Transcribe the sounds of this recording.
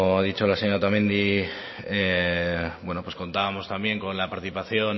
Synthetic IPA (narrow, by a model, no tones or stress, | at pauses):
aðit͡ʃolaseɲat̪amẽnd̪i | e | bwe̞nopwe̞sko̞nt̪aβamo̞st̪ambje̞ŋko̞nlapaɾt̪iθipaθjon